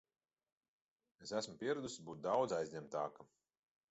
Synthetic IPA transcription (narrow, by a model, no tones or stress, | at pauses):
esæsmupʲiɛɾɛd̪usbuːt̪̚d̪awd̪zajzʲɲʲɛmt̪aːka